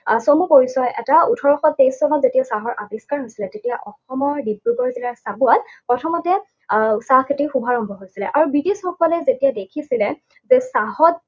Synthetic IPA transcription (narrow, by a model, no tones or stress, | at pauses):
somupoɹisɔjʔɛtautʰɔɹɔxɔt̚pejszɔnɔtzetijasaɦɔɹʔabiskaɹɦojsilɛtetijaʔɔxɔmɔɹdibɹuɡɔɹzilaɹsabualpɹɔtʰɔmɔtɛ | sakʰetixubʱaɹɔmbʱɔɦojsilɛʔaɹubitesxɔkɔlɛzetijadekʰisilɛ | zɛsaɦɔt̚